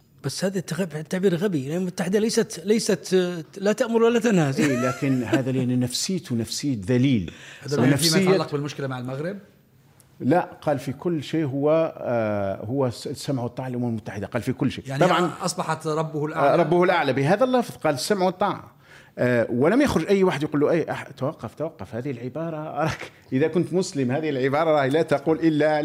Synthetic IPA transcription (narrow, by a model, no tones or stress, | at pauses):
b̥æsːhæːðit̪ːaɣbt̪ːaʕbiːɾɣæbilʔʊmmʊt̪ːaħɪd̪alæjsæt̪læjsæt̪læt̪aʔmʊɾwalːæt̪anhæzelaːkɪnɦaːðalʔannæfsɪjːt̪næfsɪjːd̪æliːlnːæfsɪjɑlːɑqbɪlmʊʃkɪlamaʕalmaɣɾɪb̚ | laʔqɑːlfikʊlːʃeːɦʊwːæ | hʊwːæsamʕt̪ˤːɑːʕlʔʊmːmlmʊt̪ːaħɪd̪aqɑːlfikʊlːʃḛːjaʕˤɑbʕɑnʔɑsˤbɑħɑt̪ɾˤɑbːʊhlʔaɾˤɑbːʊhlʔaʕlabɪɦæːðælːɑfðˤqɑːlsːamʕut̪ˤːɑːʕ | wəlæmjaxɾʊʒʔæjːwaːħəd̪jquːlːuʔʔaħt̪wɑqːɑft̪wɑqːɑfhæːðɪhɪlʕɪbɑːɾˤɑʔɑɾˤɑk | ʔəðækʊnt̪mʊsləmhæːðɪhɪlʕɪbɑːɾˤɑɾˤɑːhlæt̪ɑquːlʔɪlːa